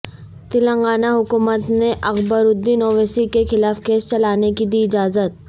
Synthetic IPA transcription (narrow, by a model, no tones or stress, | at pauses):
t̪ɪlə̃ŋɡaːnaɦʊkuːmət̪neʔɐɣbəɾʊd̪ːinoːʋeːsikexɪlaːfkeːst͡ʃɐlaːnekid̪iɪd͡ʒaːzət̪̚